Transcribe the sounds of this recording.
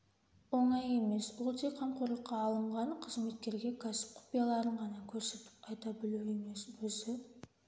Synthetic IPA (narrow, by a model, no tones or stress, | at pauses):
wo̞ɴɑje̞me̞swolˠt̪ʰeqʰːɑɴqʰoɾlˠəqːɑːlˠəɴʁɑɴqʰəzme̞t̪̚kʲe̞ɾɡʲe̞kʲʰɑsɪ̥p̚qʰʊ̥pijalˠɑɾəɴʁɑnɑkʲʰɵɾse̞t̪ɪ̥pɑjt̪ɑbɪlue̞me̞swɵzɪ